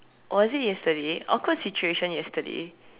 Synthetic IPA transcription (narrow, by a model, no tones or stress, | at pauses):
ʔɔzijɛstəɾea̰kʰəsit͡ʃueʃə̃njɛstədḛ